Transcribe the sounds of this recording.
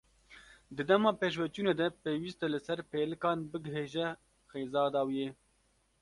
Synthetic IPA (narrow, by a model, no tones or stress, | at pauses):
d̪ɨd̪ɛmɑːpeːʃ̬wɛt͡ʃuːneːd̪ɛpeːwiːst̪ɛlɨsɛɾpeːlɨkɑːnbɨɡɨɦeːʒɛ | xeːzɑːd̪ɑːwijeː